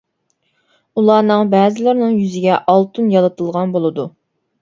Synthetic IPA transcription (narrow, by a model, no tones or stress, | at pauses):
ulˠɑːnɨŋbɛːzɪlˠɪɾnɨŋjyzɪɡʲɛʔɑlˠt̪ʰunjɑlˠɨt̪ʰɨlˠʁɑnbolˠɨd̪u